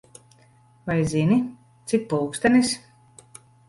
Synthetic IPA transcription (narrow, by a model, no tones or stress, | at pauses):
vajzinʲi | t̪sʲik̚puːkst̪ɛnʲis